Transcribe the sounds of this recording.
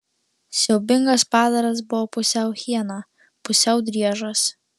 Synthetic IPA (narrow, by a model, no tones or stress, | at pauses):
sʲɛʊbʲɪŋɡɐspɑːd̪ɐɾɐs̬bʊʋɔpʊsʲɛʊxʲiɛnɑ | pʊsʲɛʊd̪ʲɾʲiɛʒos